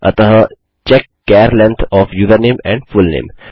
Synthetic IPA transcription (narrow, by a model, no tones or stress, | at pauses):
ɐ̰t̪əɦə | t͡ʃɛkːɛɾlɛ̃nt̪ʰɔːfjuːʋəɾneːmɛ̃ɳɖfulnḛːm